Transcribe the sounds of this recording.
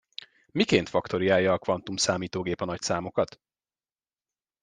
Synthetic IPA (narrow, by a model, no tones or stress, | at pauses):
mikeːn̪t̪fɒkt̪o̞ɾiaːjːɒːkʋɒnt̪umsaːmiːt̪oːɡeːpɒnɒcsaːmo̞kɒt̪